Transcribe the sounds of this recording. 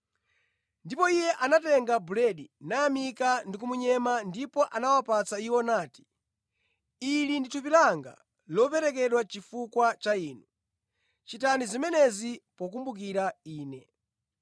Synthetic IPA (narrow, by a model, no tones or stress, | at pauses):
ndipɔijɛʔanatɛŋɡabulɛɗinaːmikandikumuɲɛmandipɔʔanawapat͡saiwɔnaːti̥ | ilinditʰup̬ilaŋɡa̰ | lɔpɛɾɛkɛɗwat͡ʃifukwat͡ʃaiːnu | t͡ʃitanizimɛnɛzipɔk̬umbuk̬iɾaiːnɛ